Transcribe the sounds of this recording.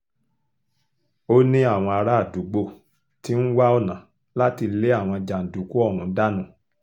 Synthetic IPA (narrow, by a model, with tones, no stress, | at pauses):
o˦nĩ˦a˦˨w̃ɔ̃˧a˧ɾa˦˨du˨˦ɡ͡bo˧˨ | ti˦n̩˦wa˦ɔ˦˨nã˨˦ | la˦ti˧le˦a˦˨w̃ɔ̃˧d͡ʒa˨n̩˨du˨˦ku˦ɔ˦˨ɾũ˨˦da˦nũ˦˨